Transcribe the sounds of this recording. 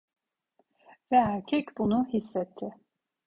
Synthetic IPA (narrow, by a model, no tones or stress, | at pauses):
vɛæɾcʰɛcbunuhisːɛt̪ʰːɪ